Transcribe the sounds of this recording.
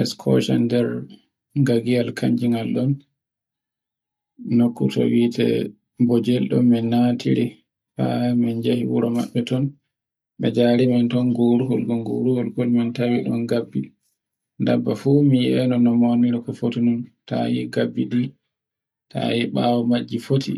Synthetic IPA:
ɛskʰɔ̰ʃa̰ndɛɾ | ɡaɡialkʰaɲd͡ʒiŋɡalɗɔn | okːutɔ̰witɛ̰ | bɔd͡ʒɛlɗɔmːɛnatʰiɾi | fa̰mɛnd͡ʒahiwuɾɔmaɓːɛtɔn | ɓɛd͡ʒaɾimantɔnɡoɾuhɔlɡɔnɡoɾuhɔlɡɔlmantawiɗɔnɡabːi | da̰bːafumijɛnɔnɔmoniɾikɔfotinɔnta̰jiɡabːidi | tʰa̰jiɓaːwɔmad͡ʒːifotʰḭ

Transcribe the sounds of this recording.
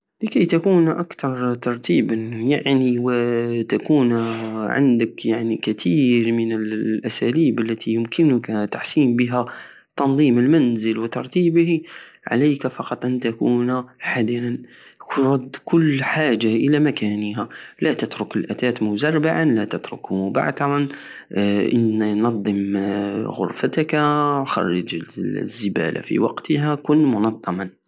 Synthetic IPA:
ləkæjt̪akuːnʔakt̪ɑɾˤt̪ɑɾˤt̪iːbəjaʕniwət̪akuːnʕa̰nd̪əkjaʕnikæt̪ʰiːɾmənəlʔæsæliːbəlːæt̪ʰijʊmkʰɪnʊkat̪aħsiːmbəɦæ | t̪ɑnðˤiːməlmænzəlwət̪ɑɾˤt̪iːbhi | ʕa̰læjkafɑqɑt̪ˤʔant̪akuːnħad̪ɾan | ɾˤɑd̪ːkʊlːħaːʒaʔəlæmakæːnəɦælæt̪ət̪ɾʊkəlʔæt̪æːt̪mʊzɑrˤːbaʕanlæt̪ʊt̪ɾʊ̰kmʊba̰ʕt̪ɑɾɑn | ʔənnɑd̪ˤːəm | ɣʊ̰ɾˤfat̪kxɑ̰rˤːɑd͡ʒzːəbæ̰lʔa̰fḭwɑ̰qt̪əɦækʊnːmʊnɑd̪ˤːɑmɑn

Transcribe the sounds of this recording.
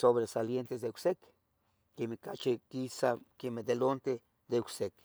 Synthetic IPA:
soβɾesaljent̪esd̪euksek | kemekat͡ʃekisakemed̪elont̪e | d̪euksek

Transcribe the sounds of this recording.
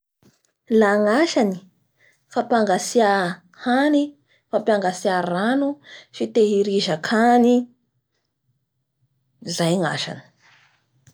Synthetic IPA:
laŋaʃani̥ | fapaŋɡasia | hani | fapiaŋɡasiaranufit̪eɦiɾiʒakʰani | zajŋa̰ʃa̰nə̥

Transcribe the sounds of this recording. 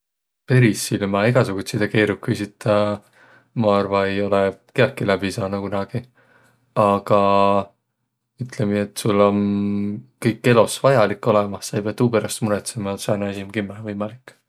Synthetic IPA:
pe̞ɾisːilmɑiɡ̥ɑsuɡ̥ut̪ʲsid̪̥eke̞ːɾukːujsit̪ːɑ | mɑɑrvɑe̞jo̞lekeɑkːilæb̥isɑːnukunɑɡ̥i | ɑɡ̥ɑ | yt̪lemiet̪ːˑsulːo̞n | kɤjkːe̞lo̞svɑjɑlikːˑo̞lemɑːɑjpeɑt̪ːuːpeɾɑst̪muɾet̪semɑsɑjnesimkimːevɤjmɑlikː

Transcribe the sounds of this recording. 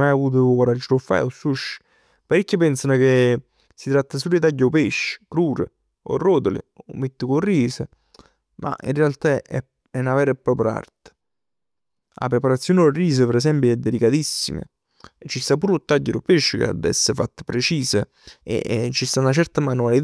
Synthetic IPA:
majavuːt̪̬ʊkwaɾad͡ʒːɾofːa̰josːuʃː | paɾikːipɛnsanoke | sit̪ɾat̪ːas̬ulit̪aɟːeopeʃːkɾuːɾḛ | o̰roːt̪olḭo̰mːet̪ːikoriːsə | mʔa̰ʔḭnrealt̪aɛ̰ | ɛnavɛːɾepːɾɔːpɾa̰rt̪e̥ | la̰pɾepaɾat̪sːjoːnɪoriːs̬əpeɾɛs̬ɛmpjoɛd̪ːelikat̪isːḭmə̰ | t͡ʃːist̪ap̬uːɾot̪ːaɟːeɾopeʃːkḛa̰d̪ɛ̰sːefat̪ːḁpɾet͡ʃiːsə | ḛt͡ʃːist̪aunat͡ʃɛrt̪amanualit̪

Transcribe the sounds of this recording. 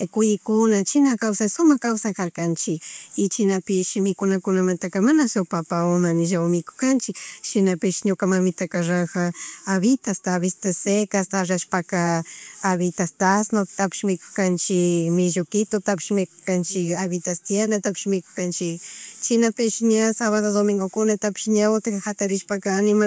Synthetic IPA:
kʊjɪkʊnat͡ʃɪnakawsasʊmakawsakaɾkant͡ʃɪkɪt͡ʃɪnapɪʃɪmɪkʊnakʊnamant̪akamanasowpapaʊmanɪʒawmɪkʊ̥kant͡ʃɪkʃɪnapɪʃɲʊkamamɪt̪akaɾaxaːβɪt̪ast̪aβɪst̪asekast̪aɾaʃpakaː | βɪt̪ast̪asnot̪apɪ̥ʃmɪkʊ̥kant͡ʃɪmɪʒokɪt̪ot̪apɪ̥ʃmɪkʊkant͡ʃɪkaβɪt̪ast̪janat̪apɪ̥ʃmɪkʊ̥kant͡ʃɪkt͡ʃɪnapɪʃɲasaβaðaðomɪŋɡokʊnat̪apɪ̥ʃɲaʊt̪akhat̪aɾɪʃpakaːnɪma

